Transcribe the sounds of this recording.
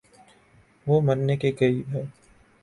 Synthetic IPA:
ʋoːmɐnːekekɐibɦɛː

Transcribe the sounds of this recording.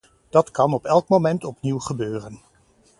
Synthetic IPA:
d̥ɑtkɑnɔpɛlˠkmomɛntɔpniwχəbøːrən

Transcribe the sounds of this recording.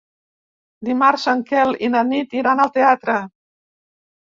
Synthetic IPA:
d̪imaɾsəŋkɛlḭnənit̪iɾanəlˠt̪eat̪ɾə

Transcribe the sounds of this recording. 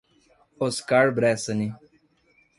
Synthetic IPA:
oskaɾbɾɛːsɐni

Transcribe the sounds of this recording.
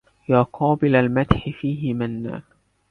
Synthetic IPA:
jaːqɑːbɪlalmat̪ħɪfiːɦɪmanːa̰ː

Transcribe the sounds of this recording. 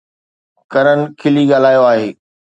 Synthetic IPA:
kɐɾənɪ̆kʰɪliɠaːl̤aːjoaːɦeː

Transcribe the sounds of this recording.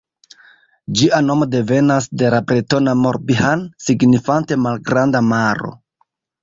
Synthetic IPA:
d͡ʒiʔano̞mo̞de̞ve̞nasde̞labɾeto̞namo̞ɾbihansiɡnifante̞malɡɾandamaɾo̞̰

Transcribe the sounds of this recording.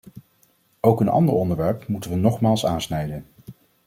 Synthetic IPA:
owkənʔɑ̰ndəɹɔndəɹʋɛɹpmutənʋənɔχmaːlˠsaːnsnɛjdən

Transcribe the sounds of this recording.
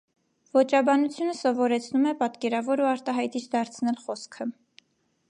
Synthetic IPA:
vɔt͡ʃɑbɑnut͡sʰjunəsɔvɔɾɛt͡sʰnumɛpɑt̪kɛɾɑvɔɾuɑɾt̪ɑɦɑjt̪it͡ʃʰd̪ɑɾt͡sʰnɛlχɔskʰə

